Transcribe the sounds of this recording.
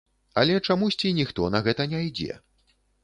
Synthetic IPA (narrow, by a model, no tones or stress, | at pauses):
ɐ̰lʲɛt͡ʂamusʲt͡sʲinʲixt̪ɔnɐɣɛt̪ɐnʲɛjd͡zʲɛ̰